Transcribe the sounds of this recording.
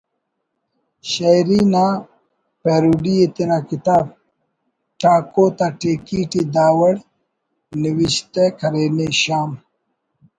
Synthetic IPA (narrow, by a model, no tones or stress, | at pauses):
ɕɐjɾiːnaː | peːɾuːɖiet̪enaːkit̪aːb̚ | ʈʰaːkoːt̪aʈeːkiːʈid̪aːwɐɽ | niwiɕt̪ekʰɐɾeːneɕaːm